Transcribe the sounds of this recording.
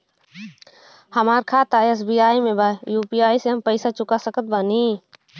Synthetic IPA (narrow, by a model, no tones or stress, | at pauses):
həmaːɾkʰaːt̪aes̬biːaːimẽbajuːpijaːiseɦəmpəɪsat͡ʃʊkasəkət̪̚baniː